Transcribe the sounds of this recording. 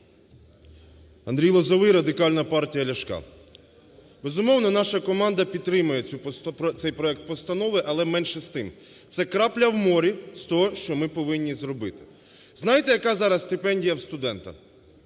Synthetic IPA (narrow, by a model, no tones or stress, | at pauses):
ɐnd̪ɾʲijlˠɔzɔʋɪjɾɐd̪ɪkɑlʲnɐpɑrtʲijɐlʲɐʃkɑ̰ | bɛzʊmɔwnɔnɑʃɐkɔmɑnd̪ɐpʲid̪̚t̪ːɾɪmʊjɛut̪sɛjpɾɔɛk̚t̪̚pɔst̪ɐnɔʋɪʔɐlˠɛmɛnʲʃɛst̪ɪm | t̪sɛkɾɑplʲɐwmɔɾʲist̪ɔɦɔʃt͡ʃɔmɪpɔʋɪnʲːizɾɔbɪt̪ɪ̥ | znɑjt̪ɛjɐkɑzɑɾɐsst̪ɪpɛnʲdʲijɐwst̪ʊd̪ɛnt̪ɐ̰